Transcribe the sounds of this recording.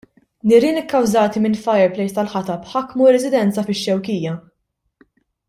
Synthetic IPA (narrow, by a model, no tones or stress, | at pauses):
nɪɾɪːnɪkːɐwzɐːt̪imɪnfɐjɛɾplɛjst̪ɐlħɐt̪ɐpħɐkːmuɾɛzɪd̪ɛnt͡sɐfɪʃːɛwkiːjɐ